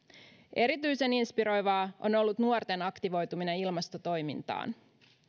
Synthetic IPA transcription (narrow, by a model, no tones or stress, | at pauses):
ʔe̞ɾit̪yjse̞ninspiɾo̞jʋɑːʔo̞̰no̞lːut̪nuort̪enɑkt̪iʋo̞jt̪umineilmɑst̪o̞t̪o̞jmḭnt̪ɑ̰ːn